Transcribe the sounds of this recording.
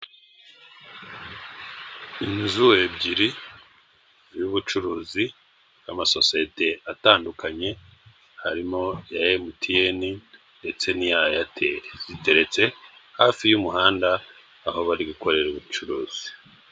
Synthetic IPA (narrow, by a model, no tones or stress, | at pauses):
inzuwe̞bɟiɾi | juβut͡ʃuɾuːzi | amaso̞siete̞ataːndukaɲe̞ | haɾimo̞jajemutieni | nde̞t͡se̞nijajatʰezite̞ɾe̞t͡se̞haːfijumuɦaːndaː | ho̞βaɾiɡuko̞ɾe̞ɾuβut͡ʃuɾuːz̥i̥